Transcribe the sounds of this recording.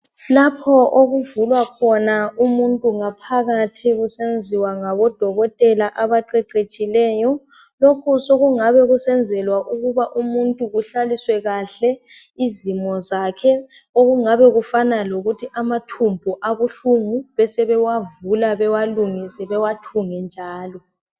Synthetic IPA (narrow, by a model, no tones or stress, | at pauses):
lapʰɔʔoɣuvulwakʰɔnaumuntʼuŋapʰaɣatʰiɣusend͡zʱiwaŋaβɔd̥ʱɔɣɔtʼɛlaʔaβaǃɛǃet͡ʃʼilɛːjɔ | lokʰusoɣuŋaβɛɣusɛnd͡zʱɛlwaʔuɣuβaʔumuntʼuɣuɬaliswɛɣaɬɛizimɔzakʰɛ | oɣuŋaβɛɣufanaloɣutʰiʔamatʰumbʱuʔaβuɬuŋuβɛsɛβɛwavulaβɛwaluŋisɛβɛwatʰuŋɛnd͡ʒʱaːlɔ